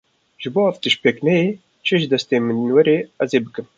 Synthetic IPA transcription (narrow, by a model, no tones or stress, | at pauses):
ʒ̥ɨboːɛft̪ɨʃpeːknɛjeː | t͡ʃʰɨʒɨd̪ɛst̪eːmɨnwɛɾeːɛzeːbɨkɨm